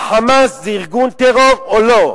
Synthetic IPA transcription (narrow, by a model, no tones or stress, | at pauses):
χamasziʁɡunt̪eʁovolo